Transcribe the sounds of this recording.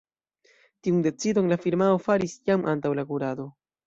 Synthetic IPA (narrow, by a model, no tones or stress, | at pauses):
tiunde̞t͡sido̞nlafiɾmao̞faɾisjamʔantawlakuɾado̞